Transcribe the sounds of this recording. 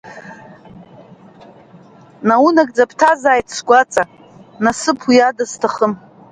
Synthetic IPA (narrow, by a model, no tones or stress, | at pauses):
nawunakʼd͡zapʰtʰazaːjtʰsɡʷat͡sʼa | nasɨpʰijadaztʰaχəm